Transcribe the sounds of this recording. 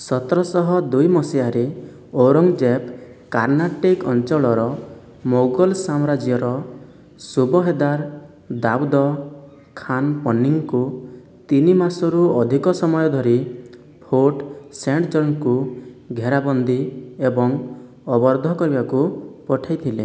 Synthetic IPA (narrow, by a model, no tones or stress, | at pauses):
sɔt̪ɾɔsɔɦɔd̪ujmɔsiaɾe | oɾɔŋd͡ʒep | kaɾnaʈikɔnt͡ʃɔɭɔɾɔ | moɡɔlsamɾad͡ʒjɔɾɔ | subɔɦed̪aɾ | d̪awd̪ɔ | kʰanpɔnːiŋku | t̪inimasɔɾuɔd̪ʱikɔsɔmɔjɔd̪ʱɔɾi | pʰoʈseɳʈd͡ʒɔɾŋkuɡʱeɾabɔnd̪iebɔŋ | ɔbɔɾd̪ʱɔkɔɾibakupɔʈʰajt̪ʰile